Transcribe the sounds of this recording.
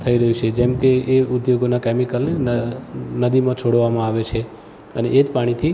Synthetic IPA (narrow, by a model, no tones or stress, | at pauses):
t̪ʰəiɾəɦut͡ʃʰed͡ʒɛmkeeʊd̪joɡonakɛmikəlne | nəd̪imãt͡ʃʰoɽʋamãaʋet͡ʃʰe | əneʔed͡ʒpaɽ̃it̪ʰi